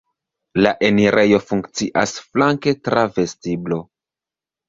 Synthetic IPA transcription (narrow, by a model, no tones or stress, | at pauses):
laʔeniɾʔe̞jo̞fuŋkt͡siʔasflaŋke̞tɾave̞stiblo̞